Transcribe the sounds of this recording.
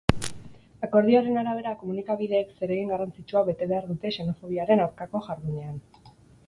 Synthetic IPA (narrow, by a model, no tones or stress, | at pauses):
ako̞ɾð̞ioɾe̞naɾaβ̞e̞ɾako̞munikaβ̞iðe̞ːkse̞ɾeɣiŋɡarant͡sit͡ʃuaβe̞t̪e̞βe̞aɾðut̪e̞ʃe̞no̞fo̞β̞iaɾe̞nawɾkako̞ʝaɾðuɲe̞an